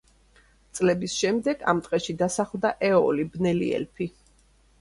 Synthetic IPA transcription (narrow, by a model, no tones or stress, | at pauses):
t̪sʼlɛbisʃɛmd̪ɛɡ̥a̰mt̪ʼqʼɛʃid̪asaχlˠd̪aʔɛɔlibnɛlḭɛ̰lpʰi